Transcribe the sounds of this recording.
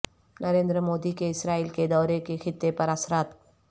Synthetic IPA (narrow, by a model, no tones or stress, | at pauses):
nɐɾẽːnd̪ɾəmoːd̪ikeɪsɾaːiːlked̪ɔːɾekexɪt̪ːepɐɾɐsɾaːt̪